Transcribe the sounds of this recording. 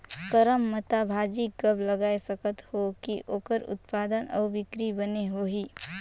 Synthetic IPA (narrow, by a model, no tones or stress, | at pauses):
kəɾəmːət̪abʱaːd͡ʒikəbləɡaːesəkət̪hokiʔoːkəɾʊ̰t̪paːd̪ənɔ̰ːbɪkɾibəneɦoɦiː